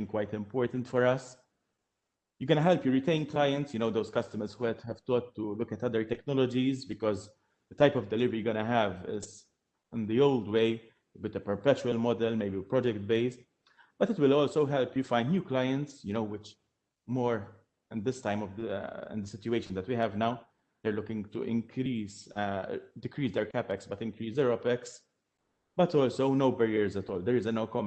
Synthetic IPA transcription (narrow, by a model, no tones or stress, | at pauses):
ɪ̃ŋkwaɪt̪ɪ̃mpɔːɹt̪ə̃nt̪fɔɾɐs | juɡɔnəɦɛlpjuɹit̪ẽɪ̃nklaɪə̃ntsjʊnoʊd̪oʊskɐst̪əməɾswɛt̪hɛv̥t̪ɔːt̪ːulʊkɛt̪ɐd̪əɹt̪ɛknɔlɔd͡ʒizbɪkɔz | d̪ət̪aɪjpɔvd̪ɛlɪvəɾiɡɔnɐɦɛvɪ̰z | ɪ̃nd̪ioʊld̪weɪ | əbɪt̪əpəɹpɛt͡ʃuəlmɔd̪ɛlmeɪbipɹɔd͡ʒɛkt̪̚beɪst̪ | b̥ɐtɪtwɪlɔːlsoʊɦɛlpjufãɪnd̪njuːklajə̃ntsjʊnoʊwɪt͡ʃ | mɔːɹ | ɪ̃nd̪ɪst̪ãɪ̃mɔvd̪ɪ̰̃nd̪əsɪtjuweɪʃə̃nd̪ɛtwihɛvnaʊ | d̪ɛɹlʊkɪ̃ŋt̪ṵɪ̰̃nkʰɾiːz | d̪ɪkɾiːsd̪ɛɹkæpɛksbɐt̪ɪ̃ŋkɾiːsɛɹɔpɛks | b̥ɐt̪ɔːlsoʊnoʊbɛɹiəɹzæt̪ɔːld̪ɛɹɪzənoʊkɔm